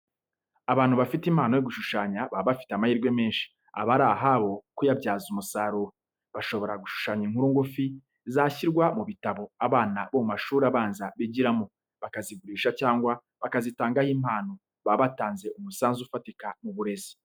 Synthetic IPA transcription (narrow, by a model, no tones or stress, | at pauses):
aβaːn̥huβafitimhaːnojoɡuʃuʃaːɲaβaβafi̥teamahiːɾɡwe̞me̞ːnʃi̥ | a̰βaɾaɦaβo̞kujabɟaːzumusaɾuːɾo | βaʃo̞βo̞ɾaɡuʃu̥ʃaːɲiŋ̥huɾuŋɡufi | zaːçiɾɡwamuβitaβo̞aβaːnaβomumaʃuːɾaβaːnzaβiɟiɾamo̞ | βakaziɡuɾiːʃacaːŋɡwa | βakazitaːŋɡahiːm̥haːno | βaβataːnze̞ʔumusaːnzuufatikamuβuɾe̞zi̥